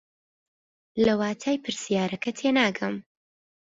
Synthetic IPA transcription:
lɐwaːt̪ʰaːjpʰɨɾsijaːɾɐkʰɐt̪ʰeːnaːɡɐm

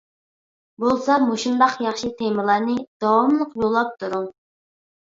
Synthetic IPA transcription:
bolˠsɑmoʃund̪ɑqjɑχʃit̪ʰemɨlˠɑnɨd̪̥ɑwɑmlˠəqjolˠːɑp̚t̪ʰuɾu

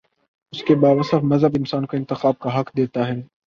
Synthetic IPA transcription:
ʊskebaːʋəsəfmɐzɦəbɪnsaːnkoɪ̃nt̪ɪxaːb̚kaɦɐkd̪eːt̪aɦɛː

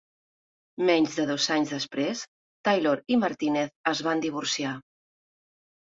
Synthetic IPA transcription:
mɛɲʲzðəðozaɲzðəspɾes | t̪ajloɾiməɾt̪ineθəzβand̪iβ̞uɾsia

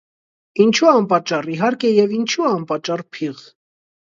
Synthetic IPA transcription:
int͡ʃʰuɑmpɑt͡ʃːɑriɦɑɾkɛjɛvint͡ʃʰuɑmpɑt͡ʃːɑrpʰiʁ

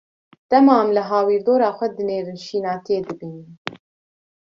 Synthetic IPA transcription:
t̪ɛmɑːmlɨɦɑːwiːɾd̪oːɾɑːxʷɛd̪ɨneːɾɨnʃiːnɑːt̪ʰeːd̪ɨbiːn

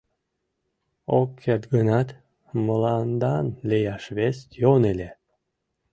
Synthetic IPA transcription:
okʰːet̪ɡənɑt̪ | məlɑnd̪ɑnlʲejɑʃβest̪jonelʲe

